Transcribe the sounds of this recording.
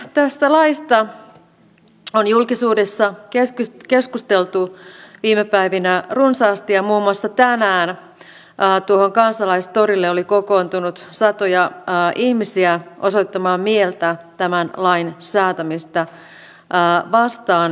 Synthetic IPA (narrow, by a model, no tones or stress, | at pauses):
t̪æst̪ælɑist̪ɑ | onjulkisuːdesːɑkeskkeskust̪elt̪uʋiːmepæiʋinærunsɑːst̪iɑmuːmːuɑsːɑt̪ænæːn | ʔːt̪uoɦoŋkɑnsɑlɑist̪oɾilːeolikoko̞ːnt̪unut̪sɑt̪ojɑːʔihmisiæʔoso̞it̪ːɑmɑːmmielt̪æt̪æmænlɑinsæːt̪æmist̪ɑ | ʔːʋɑst̪ɑːn